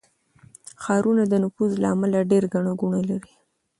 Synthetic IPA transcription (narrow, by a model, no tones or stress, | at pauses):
xɑɾunad̪ənʊfuzla̰amalaɖeɾɡaɳaɡuɳalaɾi